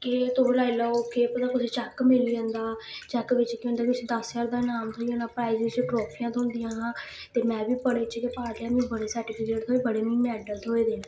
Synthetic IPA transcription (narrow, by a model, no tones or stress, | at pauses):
kɪt̪olaːilaokeːpət̪ãːkʊsiːt͡ʃɛːkmɪliːə̃nd̪aːt͡ʃɛːkʋɪt͡ʃkjõːnd̪aːkʊsiːd̪əst͡ʃaːɾd̪aːnaːmt̪ʰoːiə̃naːpɾaːizɪzt͡ʃiʈɾɔːpʰijãːt̪ʰoʊ̃nd̪ɪjãːɦãː | t̪eːmɛ̃ːbiːpəɽeːt͡ʃkepaːɾd̪ãːmũːbəɽeːsəɾʈɪpʰɪkeːʈt̪ʰoːeːbəɽeːmĩːmɛːɖəlt̪ʰoːeːd̪eːnã